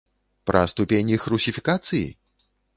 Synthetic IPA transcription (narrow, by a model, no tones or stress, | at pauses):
pɾɐ̰st̪upʲenʲixɾusʲifʲikat̪sɨjḭ